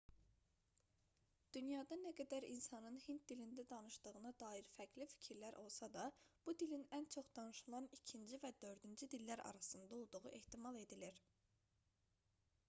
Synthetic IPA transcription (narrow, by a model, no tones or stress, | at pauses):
d̪̥ynjɑd̪ɑnæɡæd̪æɾinsɑnɯnhint̪̚d̪ilind̪æd̪ɑnɯʃd̪ɯɣɯnɑd̪ɑːiɾfæcʰlifi̥cʰiɾlæɾʔo̞lˠsɑd̪ɑb̥ud̪ilinænt͡ʃʰo̞χd̪̥ɑnɯʃulˠɑnicʰind͡ʒivæd̪ø̞ɾd̪ynd͡ʒyd̪ilːæɾɑ̰ɾɑsɯnd̪ɑo̞lˠd̪uʁuʔe̞ht̪imɑlˠe̞d̪iliɾ